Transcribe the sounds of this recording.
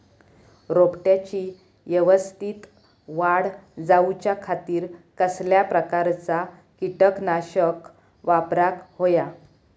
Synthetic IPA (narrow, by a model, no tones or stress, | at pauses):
ɾopʈjat͡ɕi | jəʋəst̪iːt̪ | ʋaɽd͡zaut͡ɕjakʰat̪iːɾkəsljapɾəkaɾt͡sa | kiʈəknaɕək | ʋapɾakɦoja